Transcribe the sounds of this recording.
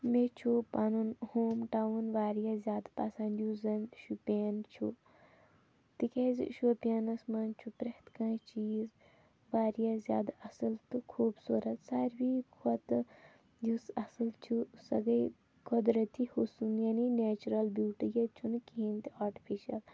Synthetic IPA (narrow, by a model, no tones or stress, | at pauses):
met͡ʃʰupɐnunhoːmʈawunʋaːɾjazʲjaːd̪pɐsɐnd̪juzɐnʃupʲeːnt͡ʃʰṵ | t̪ikez̰ʃupʲenɐsmɐnt͡ʃʰupɾɐht̪kɐ̃ːt͡ʃiːz | ʋaːɾijazʲja̰ːd̪ɐsɨlt̪ɨkʰuːbsuːɾɐt̪saːɾbikʰɐt̪ | jusɐsɨlt͡ʃʰusɐ̰ɡɐj | kʰod̪ɾɐt̪ihusunjɐnineːt͡ʃuɾɐlbjuːʈijet͡ʃʰunkiint̪iaːʈi̥pʰiʃɐl